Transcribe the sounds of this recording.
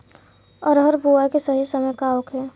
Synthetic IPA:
ɔɾɦəɾbuakesəɦisəməjkaokɦɛ

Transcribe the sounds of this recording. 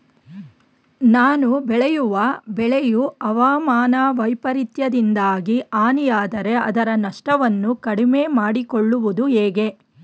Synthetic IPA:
naːnubɛɭɛjuʋɐbɛɭɛjuɐʋaːmaːnɐʋɐjpɐɾit̪jɐd̪ind̪aːɡiaːnijaːd̪ɐɾe̞ɐ̰d̪ɐɾɐnɐʂʈɐʋɐnːukɐɽimeːmaːɽikoɭːuʋud̪uɦeːɡe̞

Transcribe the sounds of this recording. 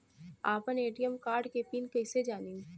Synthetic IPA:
aːpəneːʈijəmkaːɾɖkepiːnkɐɪsed͡ʒaːniːn

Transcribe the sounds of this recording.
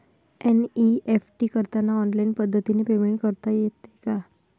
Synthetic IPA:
ɛniefʈikəɾt̪anːaɔnlainpəd̪ʱːət̪inepemeɳʈ̚kəɾt̪ajet̪ːeka

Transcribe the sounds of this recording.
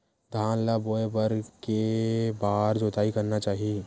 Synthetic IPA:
d̪ʱaːnlaboːebəɾkebaːɾd͡ʒoːt̪aːikɐɾnat͡ʃaːɦie

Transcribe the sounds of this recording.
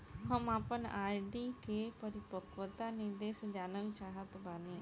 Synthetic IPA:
ɦəmaːpənaːɖiːkepəɾɪpəkʋət̪anɪɾd̪eːsd͡ʒaːnəlt͡ʃaːɦət̪baːnẽ

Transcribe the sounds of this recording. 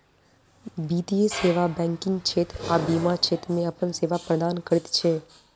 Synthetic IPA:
biːt̪ieseːʋabɛ̃ːŋkɪ̃ŋɡt͡ʃʰeːt̪abimat͡ʃʰeːt̪ɾmẽɐpənseːʋapɾəd̪aːnkəɾɪt̪t͡ʃʰeː

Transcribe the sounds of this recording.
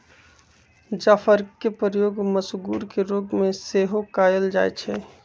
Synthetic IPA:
d͡ʒaːfəɾkkepəɾjoːɡməsɡuːɾkeɾoːɡmẽseːɦokaːjəld͡ʒa̰ːet͡ʃʰɛ

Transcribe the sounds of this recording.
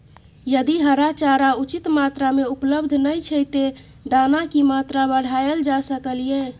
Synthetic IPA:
jəd̪iɦəɾat͡ʃaɾaut͡ʃit̪mat̪ɾameupləbd̪ʱnəjt͡ʃʰəjt̪e | d̪anakimat̪ɾabəɽ̤ajəld͡ʒasəkəlije

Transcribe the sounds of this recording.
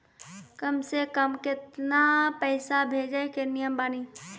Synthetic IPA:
kəmsekəmkɪt̪napɛːsabʱeːd͡ʒaːekenijəmbaːniː

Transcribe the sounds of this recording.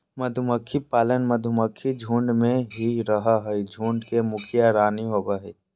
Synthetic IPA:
məd̪ʱʊməkʰːipaːlənməd̪ʱʊməkʰːid͡ʒʱũːɳɖmẽɦiɾəɦaɦəid͡ʒʱũːɳɖkemʊkʰijaɾaːniɦoːbaɦɛː

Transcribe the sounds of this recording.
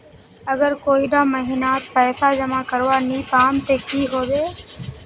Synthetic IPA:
əɡəɾkoːiɖaːməɦiːnaːt̪̚pɛːsaːd͡ʒəmãːkəɾʋaːniːpaːmt̪eːkiːɦoːd̪eː

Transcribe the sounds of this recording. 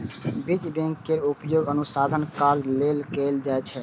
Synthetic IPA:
bid͡ʒbẽŋkːeɾupjoːɡənʊsaːd̪ʱənkallelkeld͡ʒaɛt͡ʃʰɛ

